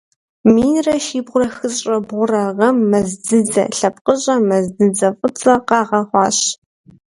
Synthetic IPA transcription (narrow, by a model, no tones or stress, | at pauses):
miːnrɐʃiːbʁʷʊɾɐxɨɕʼɐbʁʷʊrɐʁɐmːɐzdɨd͡zɐ̰ɬɐp̚qʼəɕʼɐmɐzdɨd͡zɐfʼɨt͡sʼɐqɑːʁɐχʷɑːɕ